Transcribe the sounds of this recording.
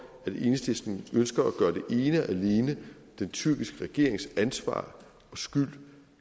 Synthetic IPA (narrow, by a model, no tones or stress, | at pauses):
æd̥e̝nsd̥esd̥n̩ønsɡ̥ɐæɡ̥ɶːɐd̥e̝ʔe̝ːnəʔæle̝ːnə | d̥ent͡sʰyɐ̰ɡ̥isɡ̥əʁɛɡ̥e̝ɐ̰e̝ŋsænsʋɑ̰̈ː | ɒ̽sɡ̥yl̰